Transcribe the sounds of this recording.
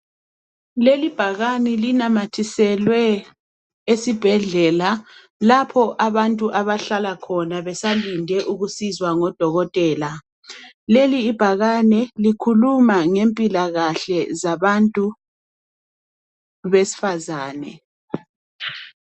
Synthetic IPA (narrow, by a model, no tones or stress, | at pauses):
lelib̥ʱaɣanɛlinamatʰisɛlwɛ | esib̥ʱɛɮɛla | lapʰɔʔaβantʼuʔaβaɬalakʰɔnaβɛsalindʱɛʔuɣusizwaŋɔd̥ʱɔɣɔtʼɛːla | leliːb̥ʱaɣanɛlikʰulumaŋempʼilaɣaɬɛzaβantʼu | βesi̥fazaːnɛ̰